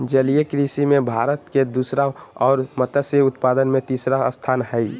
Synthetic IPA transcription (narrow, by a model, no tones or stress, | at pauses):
d͡ʒəlijekɾisimẽbʱaːɾət̪ked̪uːsɾaɔːɾmət̪əseʊt̪paːd̪ənmẽt̪iːsɾaəst̪ʰaːnɦəi